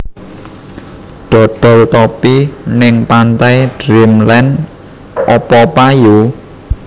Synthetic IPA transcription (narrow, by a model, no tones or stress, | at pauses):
ɖ̥ɔ̤ɖ̥ɔ̤lt̪ɔpinɪŋpant̪ajd̥ɾimlɛn | ɔpɔpaju